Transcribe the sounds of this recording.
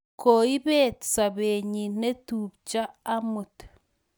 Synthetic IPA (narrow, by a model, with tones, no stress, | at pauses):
koi˦βe˦tt͡sa˨βeɲine˦tuβt͡ʃaː˦mu˨te̥